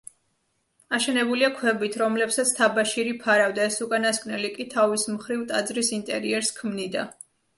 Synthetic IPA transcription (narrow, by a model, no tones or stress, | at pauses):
aʃɛnɛbuliakʰwɛbit̪ʰɾɔmlɛpsat̪sʰt̪ʰabaʃiɾipʰaɾavd̪aɛsukʼanaskʼnɛlikʼit̪ʰavismχɾivt̪ʼad̪zɾisint̪ʼɛɾiɛɾskʰmnid̪a̰